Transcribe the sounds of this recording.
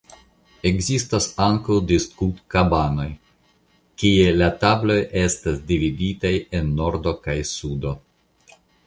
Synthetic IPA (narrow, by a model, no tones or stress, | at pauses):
e̞ɡzistasaŋkawdiskutkabano̞j | kielatablo̞jʔe̞stasdividitaje̞nːo̞ɾdo̞kajsudo̞